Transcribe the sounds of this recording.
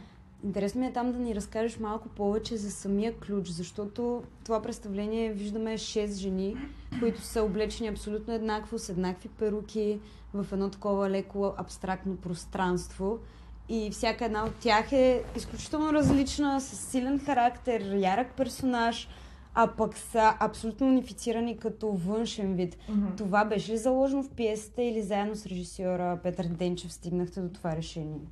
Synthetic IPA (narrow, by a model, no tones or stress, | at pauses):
int̪ɛɾɛsnomʲiɛt̪amd̪ɐniɾɐskaʒɛʃmalˠkʊpɔvɛt͡ʃɛzɐsɐmijəklʲut͡ʃzɐʃt̪ɔt̪ot̪ovapɾɛt̪st̪ɐvlɛniɛviʒd̪əmɛʃɛst̪ʒɛnikoit̪ʊ̥səoblɛt͡ʃɛniɐpsolʲut̪noɛd̪nakvosɛd̪nakvipɛɾukʲi | vɐfɛd̪nɔt̪ɐ̥kɔvəlɛkoʔɐpst̪ɾak̚t̪nopɾost̪ɾanst̪vo | ifsʲjakəɛd̪naot̪ʲːjaxɛisklʲut͡ʃi̥t̪ɛlˠnoɾɐzlit͡ʃnəsɐsːilɛnxɐɾakt̪ɛɾjaɾək̚pɛɾsonaʃ | ɐpɐksəʔɐpsolʲut̪noːnifi̥t̪siɾənikɐt̪ɔvɤnʃɛnvit̪t̪ovabɛʃɛlizɐlˠɔʒɛnofpjɛsi̥t̪ɛilizaɛd̪nosɾɛʒisjɔɾəpɛt̪əɾd̪ɛnt͡ʃɛfst̪iɡnəxt̪ɛd̪ot̪ovaɾɛʃɛniɛ